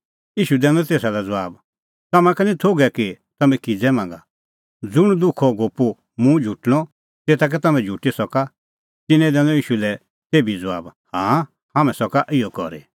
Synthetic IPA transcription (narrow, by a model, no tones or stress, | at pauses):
iːʃud̪ɛ̃ːnɔt̪eːsalɛd͡zɔʋaːb | t̪ɐmãkanĩt̪ʰoːɡɛki | t̪ɐmɛ̃kid͡zɛmãːŋɡa | d͡zʊɽ̃d̪ʊkʰɔɡoːpu | mũd͡ʒʱuʈɽ̃ɔ | t̪eːt̪ak̬ɛt̪ɐmɛ̃d͡ʒʱuʈisɔka | t̪ɪnɛ̃d̪ɛ̃nɔ̃iːʃulɛ | t̪eːbid͡za̰ːbhãː | hamɛ̃sɔkaʔɪjɔkɔ̰ɾḛ